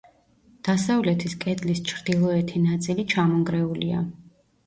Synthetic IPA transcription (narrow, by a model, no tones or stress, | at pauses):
d̪̥asavlɛt̪ʰiskʼɛd̪list͡ʃʰɾd̪ilˠɔɛt̪ʰinat̪sʼilit͡ʃʰamɔŋɡɾɛulia̰